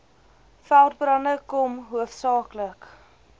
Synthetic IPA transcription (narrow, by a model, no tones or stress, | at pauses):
fælˠt̚brɐnəkɔmɦuəfsɑːklək